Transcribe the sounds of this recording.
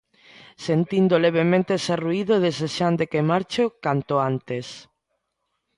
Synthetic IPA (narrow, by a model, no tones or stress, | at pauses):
sent̪ind̪oleβ̞emẽnt̪eseruiðoðeseʃand̪ekemaɾt͡ʃokant̪oant̪es